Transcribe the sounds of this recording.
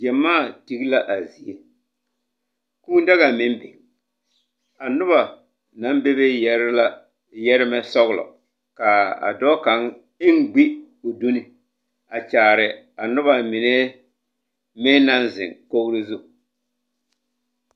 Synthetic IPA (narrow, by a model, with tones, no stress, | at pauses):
d͡ʒɛ˨mːaː˦˨ti˦ɣla˦ʔa˨zi˨e˦ | kuː˦n˦da˦ɣa˨mɪ˦m˦bɪ˨ | a˨nʊ˦βa˨ | na˦m˦be˦βɪ˦ɾla˦ | jɛ˦ɾɪ˦mɛ˦sɔ˦ɣlɔ̰˨ | ka˨a̰˨dɔː˦ka˨ŋ | ɪ˦ŋ˦ɡ͡bi˦ | o˨du˦ni˨ | a˨t͡ʃaː˨ɾɪ˨ | a˨nʊ˦βa˨mɪ˨nɛ˦ | mɪ˦n˦na˦nzɪ̰˨ŋko˦ɣɾi˦zu˦˨